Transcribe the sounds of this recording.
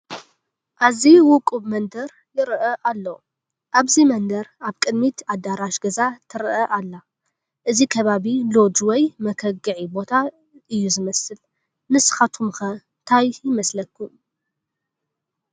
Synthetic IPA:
ʔaziwʊkʼuβmɐnd̪ɐɾ | jɪɾʔɐʔalːo | ʔaβzimɐnd̪ɐɾaβkʼɨd̪mit̪ʰad̪aɾaʃɡɐzat̪ʰɨɾʔɐʔalːa | ʔɨzikʰɐβaβilo̞d͡ʒwɔjmɐkʰɐɡɨʕibo̞t̪ʰa | ɨjːuzɨmɐsɨl | nɨsxat̪ʰumxɐnt̪ʰajjɪmɐslɐkʰːu

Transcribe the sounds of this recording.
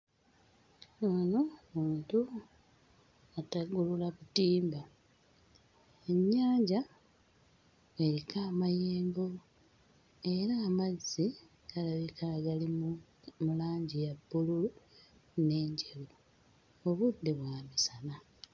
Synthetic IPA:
onomuːntu | ataɡululakutiːmba | e̞ɲːaːɲɟa | eɾikaːmajeːŋɡo̞ | e̞ɾaːmazːi | ɡ̥alaβikaɡalimu | mulaːɲɟijabːululu | ne̞ːɲɟeβu | oβudːeβwaːmisana

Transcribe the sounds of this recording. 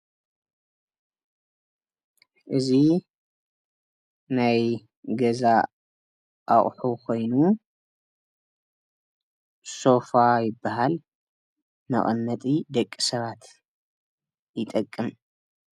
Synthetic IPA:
ʔɨzi | naj | ɡɐza | ʔaχʼħukʰo̞jnu | so̞fajɪbːaɦal | mɐ̰χʼɨnːɐt̪ʼid̪ɐkʼːisɐβat̪ | jɪt̪ʼɐkʼːɨm

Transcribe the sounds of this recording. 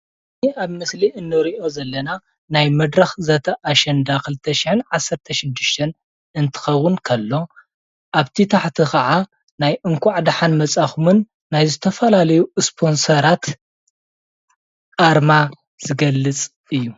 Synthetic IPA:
ɨniʔaβmɨsliʔɨnːɨɾiʔo̞zɐlːɐna | najmɐd̪ɾɐxzɐt̪ʰɐʔaʃɐnd̪akʰɨlɨt̪ʰːɐʃiħɨnʕasːɐɾt̪ʰɐʃɪd̪ɨʃt̪ʰɐn | ɨnt̪ʰɨ̥xɐwʊnkʰɐlːo̞ | ʔaβt̪ʰit̪ʰaħt̪ʰixɐʕa | najʔɨŋkʰʷʊʕd̪ħanmɐt͡sʼaxumɨnː | ajzɨt̪ʰɐfɐlalɐjuspʰo̞nsɐɾat̪ | ʔaɾma | z̥ɨɡɐlːɨt͡sʼ | ɨjːu

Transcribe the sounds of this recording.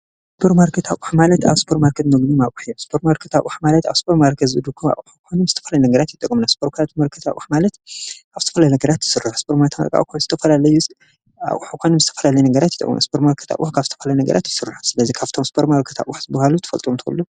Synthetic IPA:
spʰoɾmaɾkʰɐt̪ʰa̰ʔuħmalɐt̪a̰βspʰoɾtmaɾkʰɐt̪mɐɡnimaʔuħijomspʰoɾmaɾkʰɐt̪a̰ʔuħmalɐt̪aβspʰoɾmaɾkʰɐt̪zɨd̪ukʰːuma̰ʔʼʔuħukʰʷojnomzɨ̥t̪ʰɐfɐlajnɐɡɐɾat̪jit̪ʼːɐkʼmɨnaspʰoɾkʰaɾat̪mɐɾkʰɐt̪a̰ʔʔuħmalɐt̪aβzɨt̪ʰɐfɐlajnɐɡɐɾat̪jɪ̥sɨruħspʰoɾmaɾt̪ʰma̰kʼa̰ʔkʰonzɨ̥t̪ʰɐfɐlalɐju | a̰ʔʼʔuħukʰʷojnomzɨt̪ʰɐfɐlalɐjnɐɡɐɾat̪jɪt̪ʼɐ̰kʼːm̰na̰spʰoɾmaɾkʰɐ̥t̪ʰa̰ʔuħkʰaβzɨ̥t̪ʰɐfɐlajnɐɡɐ̰ɾʔat̪jɪsɨrɨu̥sɨlɐzikʰaft̪ʰo̞mspʰoɾmaɾkʰɐ̥t̪a̰ʔʷʼuħzɨbɐhalut̪ʰɐ̥fɐlt̪ʼomt̪ʰɨkɐ̰lːo

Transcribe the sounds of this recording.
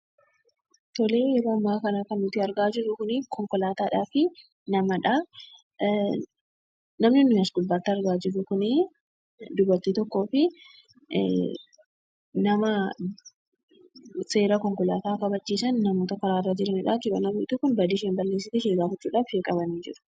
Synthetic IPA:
t̪ɔleːbɐːmːaːkɐnakɐnːʊt̪ɪɐɾɡaːd͡ʒɪɾːʊkʊnɪkʰɔŋkɔlaːt̪aːᶑaːfɪ | nɐmɐᶑa | nɐmnɪnːʊmɐsɡʊlbaːt̪ːɪɐɾɡaːd͡ʒɪɾːʊkʊnɪ | d̪ʊbɐɾt̪iːt̪ɔkːo̞ːfɪ | nɐmɐ | se̞ːɾɐkɔŋkɔlaːt̪aːkɐbɐt͡ʃːiːsɐnːɐmoːt̪ɐkɐɾaːrːaːd͡ʒɛlɐnɪᶑaːkɪbɐ̰nɐmɪʔt̪ʊkːʊnbɐd̪iːʃ̬eːnbɐɾleːs̬ɪt̪ɛʃeːɡaːfɪt͡ʃːuːᶑaːfheːkʼɐbɐnid͡ʒɪɾʊ̥

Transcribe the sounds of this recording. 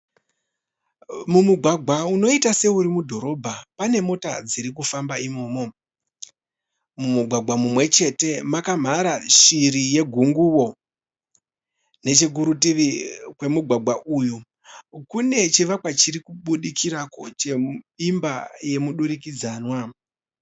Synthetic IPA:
mumuɡʱwaɡʱwauno̞itase̞uɾimudʱo̞ɾo̞bʱapane̞mo̞tad͡ziɾik̬ufambaimoːmo̞ | mumuɡʱwaɡʱwamumwe̞t͡ʃe̞te̞makam̤aɾaʃiɾije̞ɡʱuŋɡuwo̞ | ne̞t͡ʃe̞ɡ̬uɾutiʋikwe̞muɡʱwaɡʱwaʔuju | kune̞t͡ʃiʋakwat͡ʃiɾikuɓuɗikʰiɾakot͡ʃe̞imbaje̞muɗuɾikid͡zaːnwa

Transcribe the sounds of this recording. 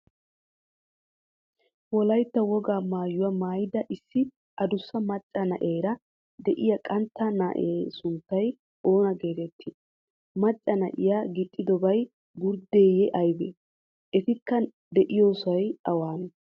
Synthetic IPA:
wɔlɐjt̪ːɐwɔɡaːmaːjʊwɐmaːjɪd̪ɐʔɪsːɪ | ʔɐd̪ʊsːɐmɐt͡ʃʼːɐnɐʔe̞ːɾɐ | d̪ɛʔɪjɐkʼɐnt̪ːɐnɐ̰ʔeːsʊnt̪ːɐj | o̞ːnɐɡeːt̪ɛt̪ʰːɪ | mɐt͡ʃʼːɐnɐʔɪjaːɡɪt̪ʼːɪd̪ɔbɐj | ɡʊɾd̪e̞ːjɛʔɐjbe | ʔɛt̪ɪkːɐ | d̪ɛʔɪjoːsɐjɐwaːn

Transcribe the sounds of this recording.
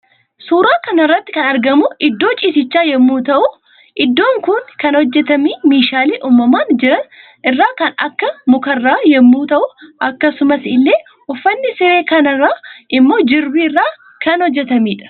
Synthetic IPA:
suːɾaːkɐnɐrːɐt̪ːɪ̥kɐnɐɾɡɐmʊʔɪd̪ːo̞ːt͡ʃʼiːsɪt͡ʃːaːjɛmːuːt̪ɐʔʊ | ʔɪd̪ːo̞ːŋkʊnkɐnhɔd͡ʒːɛt̪ɐmiːmeːʃaːleːʔuːmːɐmaːnd͡ʒɪɾɐn | ʔɪrːaːkɐnɐ̰kːɐmʊkɐrːaːjɛmːuːt̪ɐʔʊʔɐkːɐsʊmɐsɪlːe̞ː | ɔfːɐnːɪsɛɾe̞ːkɐnɐraːʔɪmːo̞ːd͡ʒɪɾbiɪrːaː | kɐnhɔd͡ʒːɛt̪ɐmiːᶑɐ̥

